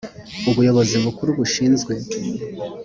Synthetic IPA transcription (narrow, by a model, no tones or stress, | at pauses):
uβujo̞βo̞ziβukuɾuβuʃiːnzɡwe̞